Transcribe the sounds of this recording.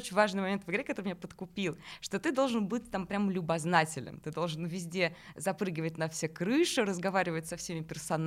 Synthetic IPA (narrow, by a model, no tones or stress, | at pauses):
ot͡ɕɪnʲvaʐnɨjmɐmʲent̪vəɡɐɾʲekɐt̪o̞ɾɨmʲɪnʲapət̪kʊpʲilˠʂt̪o̞t̪ɨd̪o̞lˠʐɨnbɨt̚ʲt̪ampɾʲaməlʲʊbɐznatʲɪlʲnɨ̰mt̪ɨd̪o̞lˠʐɨnvʲɪzʲdʲezɐpɾɨɡʲɪvət̚ʲnɐfsʲekɾɨʂɨɾəzɡɐvaɾʲɪvət̚ʲsɐfsʲemʲɪpʲɪrsɐn